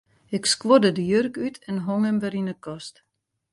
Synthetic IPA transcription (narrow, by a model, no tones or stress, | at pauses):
ɪkskʋodədəjørkytʰɛnɦoŋɛmʋɛɾinəkɔst